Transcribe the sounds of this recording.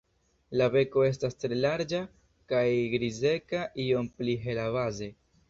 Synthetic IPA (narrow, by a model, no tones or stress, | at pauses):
labe̞ko̞e̞s̬tastɾe̞laɾd͡ʒa | kajɡɾize̞kaʔio̞mpliɦe̞lavaze̞